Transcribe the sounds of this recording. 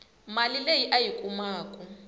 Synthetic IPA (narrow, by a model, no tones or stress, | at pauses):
malilejiʔajikʼumaːkʼu